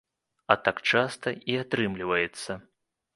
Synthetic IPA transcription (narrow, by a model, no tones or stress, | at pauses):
ɐt̪akt͡ʂast̪ɐiat̪ɾɨmlʲivɐjɛt̪sːɐ